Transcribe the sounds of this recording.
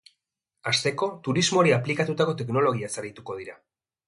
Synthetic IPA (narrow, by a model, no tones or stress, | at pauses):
ast̪e̞ko̞t̪uɾizmo̞ɾiaplikat̪ut̪ako̞t̪ekno̞lo̞ɣ̞iasaɾit̪uko̞ðiɾa